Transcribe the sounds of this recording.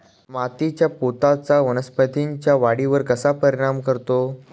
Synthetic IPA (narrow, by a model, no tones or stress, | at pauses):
mat̪it͡ɕjapot̪at͡saʋənəspət̪iɲt͡ɕjaʋaɽiʋəɾkəsapəɾiɽ̃amkəɾt̪o